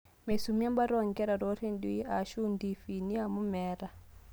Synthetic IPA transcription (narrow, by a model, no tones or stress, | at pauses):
mɛsumambaɾɔŋɡɛɾaɾoɾinɗujaʃundifiniamumɛːɾa